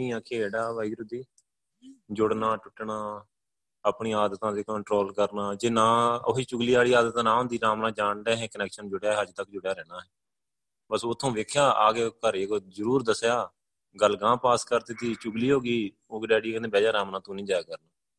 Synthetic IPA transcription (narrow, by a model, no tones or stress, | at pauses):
ĩːãːkʰeːɽaːʋaːiːɡɾʊd̪iː | d͡ʒʊɽnaːʈʊʈːɳaː | aːpɳiːaːd̪ət̪ãːd̪eːkəɳʈɾoːlkəɾnaːd͡ʒeːnãːʊɦiːt͡ʃʊɡliːaːɽiːaːd̪ət̪ãːnãːɦʊ̃nd̪iːɾaːmnãːd͡ʒaːɳɖɛːɦɛ̃ːkənɛːkʃənd͡ʒʊɽejaːɦɛəd͡ʒt̪əkd͡ʒʊɽejaːɾɛːnaːɦɛː | bəsoːt̪ʰːõːʋeːkʰjaːʔa̰ːɡeːkəɾeɡozəɾuːɾd̪əsjaː | ɡəlɡãːpaːskəɾt̪eːt̪iːt͡ʃʊɡliːɦoːɡiː | oːɡɾaːɽiːkənd̪ẽːbɛːd͡ʒaːɾaːmnãːt̪õːnĩːd͡ʒaːjːkəɾnaː